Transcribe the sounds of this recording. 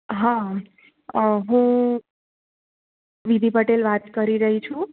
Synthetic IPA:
ɦã | ɦũ | ʋid̪ʱipəʈelʋat̪kəɾiɾəɦit͡ʃʰũ

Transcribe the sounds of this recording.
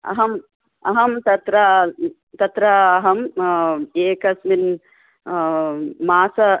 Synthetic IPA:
ɐ̰ɦɐm | ɐɦɐmt̪ɐt̪ɾɐ | t̪ɐt̪ɾɐːɦɐm | eːkɐsmin | maːsɐ

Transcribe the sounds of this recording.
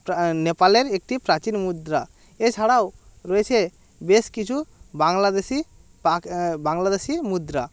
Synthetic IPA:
nɛpaleɾek̚ʈipɾat͡ʃinmud̪ɾa | ɛt͡ʃʰaɽawɾoet͡ʃʰɛ | beskit͡ʃʰubaŋlad̪esi | abaŋlad̪esimud̪ɾa

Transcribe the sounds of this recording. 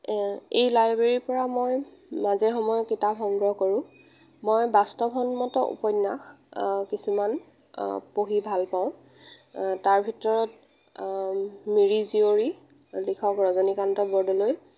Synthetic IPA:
ejlajbɹeɹiɹpɔɹamojmazɛxɔmɔjɔkitapxɔŋɡɹɔɦkoɹʊ̃ | mojbastɔpʰɔnmɔtɔʔṵpɔjnːaxkisuman | poɦibʱalpaʊ̃ | taɹbʱitɔɹɔt̚ | miɹizioɹi | likʰɔkɹɔzɔnikantɔbɔɹdɔloj

